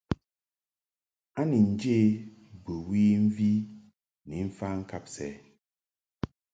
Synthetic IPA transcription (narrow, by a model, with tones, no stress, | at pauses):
a˦ni˨n̩˨d͡ʒe˦˨bə˨wi˦ɱ̩˦vi˦ | ni˨˦m̩˦fa˦ŋ̩˦ka˦˨p̚sɛ˦